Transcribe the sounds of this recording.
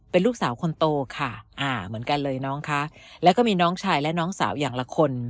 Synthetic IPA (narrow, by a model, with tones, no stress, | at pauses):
pe˧nluː˥˩k̚saː˩˦wkʰo˧nt̪oː˧kʰa˥˩ʔaː˧˩mɯ˩˦ənka˧nlɤː˧jnɔː˦˥ŋkʰa˦˥ʔlɛ˦˥wkɔː˥˩miː˧nɔː˦˥ŋt͡ɕʰaː˧jlɛ˦˥nɔː˦˥ŋsaː˩˦wjaː˨˩ŋla˧kʰo˧n